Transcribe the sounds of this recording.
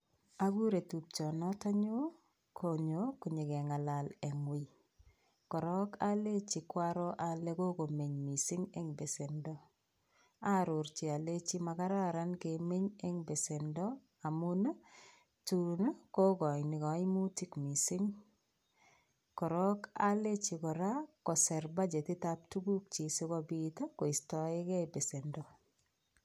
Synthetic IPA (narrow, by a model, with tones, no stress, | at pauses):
a˦ɡu˦ɾe˨tu˨p̚t͡ʃɔ˨nɔ˦ta˦ɲo˦ | kʰo˨ɲo˨ku˨ɲe˨kɛ˨ŋa˨la˨le˨ŋwɪ˨ | kɔ˨ɾɔ˦ka˦le˦t͡ʃi˨kwa˦ɾɔ˦ʔa˨le˦ko˦ko˨me˨ɲmi˨sɪ˦ŋe˨ŋbe˨se˨ndɔ˦ | a˦ɾo˨ɾt͡ʃi˨a˨le˦t͡ʃi˦ma˨ka˦ɾa˦ɾa˦nke˨me˦ɲe˦ŋbe˨se˨ndɔ˦ | a˨muna˦ | tuna˦ko˦kɔ˨nɪ˨kɔ˨˦ɪmu˦ti˦kmi˨si˦ŋ | kɔ˨ɾɔ˦ka˦le˦t͡ʃi˨kɔ˨ɾa˦kɔ˨sɛ˨ɾba˦d͡ʒe˨tɪ˦tap̚tu˦ɡu˦k̚t͡ʃi˨si˦ɡɔ˦bito˦ko˨i˨stɔ˨ɪ˦kɛ˦be˨se˨ndɔ˨